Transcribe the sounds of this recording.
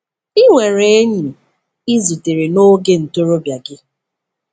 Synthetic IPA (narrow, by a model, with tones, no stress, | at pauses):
i˦ŋʷe˨ɾe˦e˦ɲi˨ | i˦zi˨te˨ɾe˨no˦ɡe˦n̩˨to˦ɾo˦bja˨ɡɪ˦